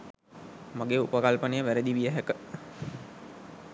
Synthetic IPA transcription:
maɡeːupəkalpənejəʋæɾəd̪iʋijəɦækə

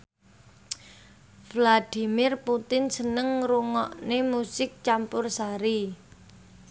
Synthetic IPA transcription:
vlad̪̥i̤mɪrput̪ɪnsənəŋruŋɔʔnemusɪk̚t͡ʃampʊrsaɾi

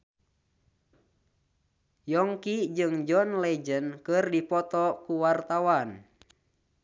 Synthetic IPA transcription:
jɔŋkid͡ʒɨŋd͡ʒɔnlɛd͡ʒənkɨrdipɔt̪ɔkuwart̪awan

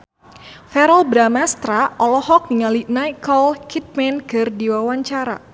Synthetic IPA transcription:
fɛɾɔlbɾamast̪ɾaʔɔlɔhɔk̚niŋalinajkɔlkʰit̪̚mɛnkɨrdiwawaɲt͡ʃaɾa̰

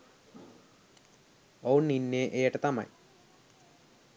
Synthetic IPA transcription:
ownːinːeːʔejəʈət̪ama̰j

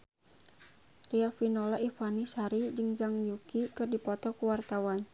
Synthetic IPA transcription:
riafinɔlaʔifanisaɾid͡ʒɨŋd͡ʒaŋjukikɨrdipɔt̪ɔkuwart̪awan

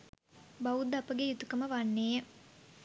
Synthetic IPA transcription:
baud̪ɐpəɡejut̪ukəməʋanːeːə

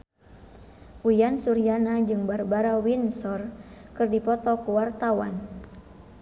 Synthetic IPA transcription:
ujansuɾianad͡ʒɨŋbarbaɾawinsɔrkɨrdipɔt̪ɔkuwart̪awa̰n

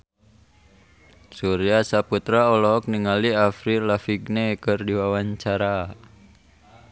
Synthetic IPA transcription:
suɾiasaput̪ɾaɔlɔɦɔk̚niŋaliafɾilafiɡnekɨrdiwawaɲt͡ʃaɾa

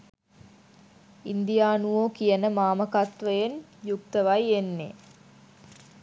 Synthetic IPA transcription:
ind̪ijaːnuʋoːkijənəmaːməkat̪ʋəjenjukt̪əʋajenːḛ

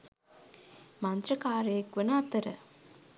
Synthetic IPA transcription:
mɐnt̪ɾɐkaːɾeːkʋənaːt̪ɐɾɐ̰

